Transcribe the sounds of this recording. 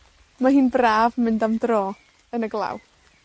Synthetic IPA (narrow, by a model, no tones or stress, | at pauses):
maɦiːnbraːvmɪndamdroː | ənəɡlˠa̰w